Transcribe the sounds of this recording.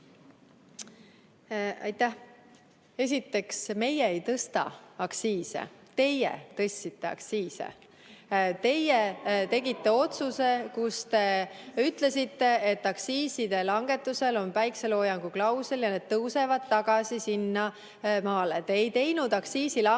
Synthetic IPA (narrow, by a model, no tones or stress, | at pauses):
ɑ̰jt̪ːæh | e̞s̬ʲit̪ːe̞ksme̞jeːjt̪ɤst̪ɑ̰ɑksiːsḛt̪e̞jɛ̰t̪ɤ̞sʲːit̪ːe̞ɑ̰ksiːsḛ | t̪e̞jet̪e̞ɡit̪ːe̞o̞t̪suse̞kust̪e̞yt̪ˑle̞sit̪ːe̞et̪ːˑɑksiːsid̪̥e̞lɑŋɡe̞t̪ːˑuse̞lo̞npæjkse̞lo̞ːjɑŋɡ̥uklɑwseljɑne̞d̪̥̚t̪ːɤwse̞vɑd̪̥t̪ːɑɡ̥ɑsisinːɑ | mɑːlet̪e̞ːjt̪e̞jnud̪̥ɑksiːsilɑ